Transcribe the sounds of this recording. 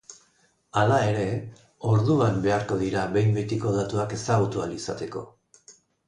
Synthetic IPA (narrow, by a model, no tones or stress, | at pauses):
alae̞ɾe̞ | o̞ɾðuambe̞aɾko̞ð̞iɾaβe̞jmbet̪iko̞ðat̪uake̞saɣ̞ut̪ualisat̪e̞ko̞̰